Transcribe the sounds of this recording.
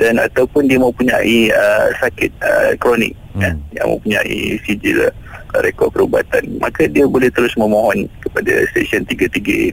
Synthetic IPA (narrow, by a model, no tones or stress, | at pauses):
dana̰t̪awpʊndiamə̃mpuɲaʔiəsakɪt̪̚ə̰kɾɔnɪ̰k̚jəja̰ŋmə̰̃mpuɲa̰ʔḭsid͡ʒilɾekɔd̚pəɾuba̰t̪anmʔa̰kadiabolɛht̪əɾʊsmə̃moɦɔnkəpada̰st̪esiɔnt̪iɡat̪iɡa